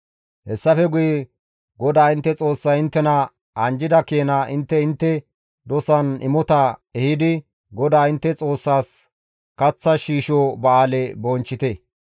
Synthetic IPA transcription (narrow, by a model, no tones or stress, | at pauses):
hɛsːɐfɛɡʊjɛ | ɡɔd̪aːɪnt̪ːɛt͡sʼo̞ːsːɐjɪnt̪ːɛnɐ | ɐnd͡ʒɪd̪ɐkeːnaʔɪnt̪ːɛɪnt̪ːɛ | d̪ɔsɐnɪmɔt̪ɐɛhɪd̪ɪ | ɡɔd̪aːɪnt̪ːɛt͡sʼo̞ːsːaːs | kɐt͡sːɐʃiːʃobɐaːlɛbɔnt͡ʃːɪt̪ɛ